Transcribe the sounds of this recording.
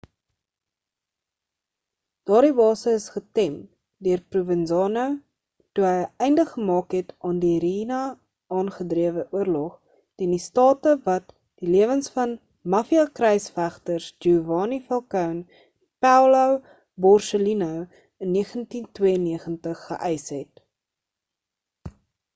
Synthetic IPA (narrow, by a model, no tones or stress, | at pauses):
d̥ɑːɾibɑːsəəsχətɛm | døərpruvənzɑːnəw | tuɦəjɛjndəχːəmɑːkɦɛtʔɑːndiɾinɐ | ʔɑːnχədriəvəʔuərlɔχ | tɛndistɑːtəvɐt̚ | d̥iliəvənsfɐn | mɐfiɐkrɛjsfæχtərsd͡ʒuvɑːnifɐlˠkœwn | pæwləw | bɔrsəlinəw | ənːiəχəntintwiəənːiəχəntəχːə̰ʔɛjsɦɛt